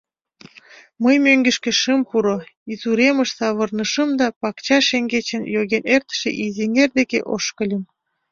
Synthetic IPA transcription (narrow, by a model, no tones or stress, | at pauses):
məjmøŋɡĕʃkĕʃəmpuɾoizuɾeməʃsɑβə̆rnəʃəmd̪ɑpɑkt͡ɕɑʃeŋɡet͡ɕə̆njoɣenert̪ə̥ʃḛʔizeŋerd̪ekḛʔo̰ʃkəlʲəm